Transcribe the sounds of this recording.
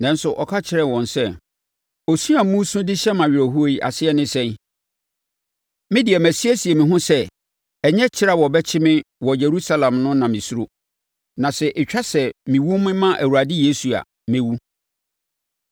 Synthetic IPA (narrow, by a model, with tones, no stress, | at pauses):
nã˦n̩˦sʊ˨ʔɔ˨kʰa˦t͡ɕʰɪ˨ɾɛ˨wɔ̃˨nsɛ˦˨ | o˨su˦a˨mũ˦sũ˦dɪ˦ɕɛ˦mã˨ɥɪ˨ɾɔ˨ɦu˦o˦i˨ʔa̰˨sɪ˦ɛ˦˨nɪ̃˦sɛ̃˦n | mɪ̃˦dɪ˨ɛ˨mæ˨si˦ɛ˦si˨ɛ˨mĩ˨ɦʊ̃˦sɛ˦ | ɛ˨ɲɛ˦t͡ɕʰɪ˦ɾa˨wɔ˨bɛ˦t͡ɕʰɪ˦mɪ̃˦wɔ˨je˨ɾu˦sa˦lã˨mnʊ̃˦nã˨mĩ˨su˦ɾo˦ | nã˨sɛ˨ʔe˨t͡ɕᶣa˦sɛ˨mĩ˨wũ˦mɪ̃˦mã˦ʔæ˨wu˨ɾa˨dɪ˦je˦su˨a̰˨ | mẽ˦wu˦